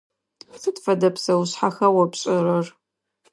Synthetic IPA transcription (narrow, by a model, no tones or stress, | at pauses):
sɨtfɐdɐpsɐwʊɕħaxɐwɐpɕʼɪɾɐr